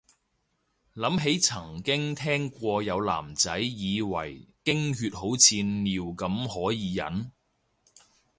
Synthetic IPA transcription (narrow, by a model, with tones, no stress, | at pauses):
lɐ˨˥mɦe˨˥jt͡sʰɐ˨˩ŋkɪ˥ŋt̪ʰɛː˥ŋkʷɔː˧jɐ˨˧wla̰ː˨˩mt͡sɐ˨˥jːiː˨˧wɐ̰˨˩jkɪ˥ŋhyː˧t̚ho˨˥wt͡sʰiː˧nːiː˨˧wkɐ˨˥mɦɔː˨˥jiː˨˧jɐ̰˨˥n